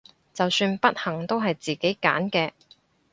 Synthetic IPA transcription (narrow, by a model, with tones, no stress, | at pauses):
t͡sɐ˨wsyː˧npɐ˥t̚hɐ˨˩ŋt̪o˥wɦɐ˨jt͡siː˨ke˨˥jka̰ː˨˥nkɛː˧